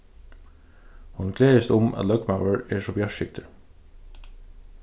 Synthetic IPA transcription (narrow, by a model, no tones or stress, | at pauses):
hʊnɡleːəst̪ʊmɑ̰t̪lœɡmaʊəɹeːʂɔbjɑʃɪk̚t̪ʰə